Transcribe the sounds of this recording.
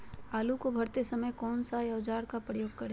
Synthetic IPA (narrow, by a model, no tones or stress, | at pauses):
aːlukobʱɐɾt̪esɐməjkɔːnsajɐːd͡ʒaːɾkapɾəjoːɡ̚kɐɾe